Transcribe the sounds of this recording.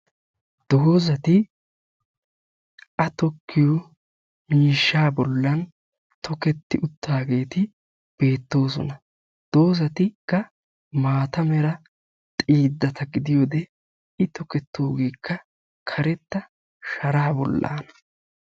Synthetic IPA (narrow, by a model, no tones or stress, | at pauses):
d̪̥oːzɐt̪ɪ | ʔɐt̪ɔkʰːɪjɔ | miːʃːaːbɔlːɐn | t̪ɔkɛt̪ːɪʔʊt̪ːaːɡe̞ːt̪ɪ | b̥e̞ːt̪ːo̞ːsɔ̰nɐ | d̪̥o̞ːzɐt̪ɪkːɐ | maːt̪ɐmɛɾɐ | t̪ʼiːd̪ːɐt̪ɐɡɪd̪ɪjod̪ɛ | ɪt̪ɔkɛt̪ːoːɡeːkːɐ | kʰɐɾɛt̪ːɐ | ʃɐɾaːbɔ̰lːa̰ːnɐ